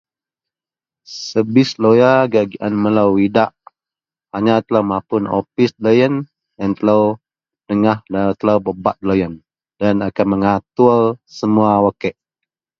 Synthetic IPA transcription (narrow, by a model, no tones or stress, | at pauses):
səbɪslojaɡaɡiʔanməlawidaʔ | haɲat̪əlawmapʊno̰fisləjən | jant̪əlaw | dəŋaht̪əlawbəbat̪̚lojən | danakanməŋat̪ulsəmuawakɛʔ